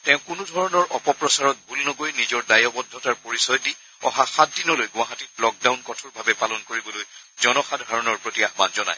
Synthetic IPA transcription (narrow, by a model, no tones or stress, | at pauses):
tɛ̃ʊ̃kʊnudʱɔɹɔnɔɹʔɔpɔpɹɔsaɹɔt̚bʱulnɔɡojnizɔɹdajɔbɔdʱːɔtaɹpoɹisɔjdi | ɔ̰ɦaxat̚dinɔlojɡʊ̃aɦatit̚lɔk̚dawnkɔtʰuɹbʱabɛpalɔnkoɹibɔloj | zɔnɔxadʱɦaɹɔnɔɹpɹotijaxmanzɔna̰j